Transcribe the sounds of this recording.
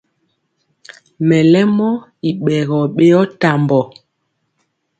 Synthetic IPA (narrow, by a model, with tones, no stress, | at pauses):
mɛ˨lɛ˦mɔ˦i˨ɓɛ˨ɣɔ˨ɓe˦jɔ˦ta˨mbɔ˨